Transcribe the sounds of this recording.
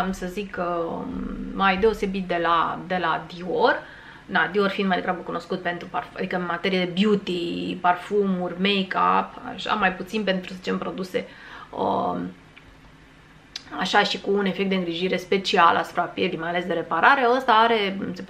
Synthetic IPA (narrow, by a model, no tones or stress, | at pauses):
msəzik | majd̪e̞o̞se̞bit̪̚d̪e̞la̰d̪e̞lad̪ior | nad̪iorʲfind̪majd̪eɡɾabəkuno̞skut̪̚pe̞nt̪ɾupara̰d̪ikəɨnmat̪e̞ɾijed̪e̞bjut̪iparfumurʲmejka̰pa̰ʃa̰majput̪sinpe̞nt̪ɾusə̥t͡ʃempɾo̞d̪use̞ə̰ | aʃaʃikuːne̞fekt̪d̪eɨŋɡɾiʒiɾe̞spe̞t͡ʃialʔa̰su̥pɾeapjeld̪imajale̞sd̪e̞ɾe̞paɾaɾe̞əst̪aaɾe̞se̞p